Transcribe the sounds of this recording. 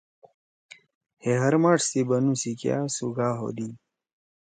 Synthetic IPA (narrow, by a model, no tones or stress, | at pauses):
heɦɐɾmaːʈssibɐnũsikja̰ːsuɡaːɦo̰d̪i